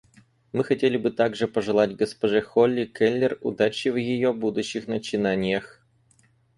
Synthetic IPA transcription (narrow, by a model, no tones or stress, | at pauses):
mɨxɐtʲelʲɪbɨt̪aɡʐɨpəʐɨlˠatʲɡəspɐʐɛxolʲːɪkɛlʲːɪrʊ̰d̪at͡ɕɪvjɪjobud̪ʊɕːɪxnət͡ɕɪnanʲɪjəx